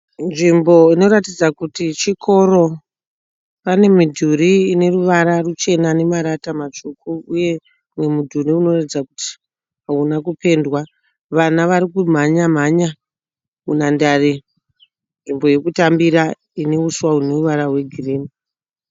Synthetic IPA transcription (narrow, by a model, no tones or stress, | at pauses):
nʐimbo̞ino̞ɾatid͡zakutit͡ʃikʰo̞ro̞ | pane̞midʱuɾiːne̞ruʋaɾarut͡ʃe̞nane̞maɾatamat͡ʃokuuje̞ | mwe̞mudʱuɾiuno̞ratid͡zakuti̥ | ɦaunakupe̞ndwa | ʋanaʋaɾikum̤aɲam̤aɲa | unandaːri | nʐimbo̞je̞kutambiɾa | ine̞uswauneruʋaɾaɦwe̞ɡʱiriːmi